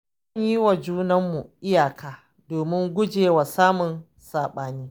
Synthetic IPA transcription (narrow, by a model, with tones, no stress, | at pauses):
ɐ˦ɲji˦wa˨d͡ʒuː˦nɐ˦mːu˨ʔɪ˦jaː˨kʰaː˨ | doː˨mɪ˦ŋɡʷʊ˦d͡ʒeː˨wa˨saː˦mʊ˨n | saː˨ɓaː˨niː˦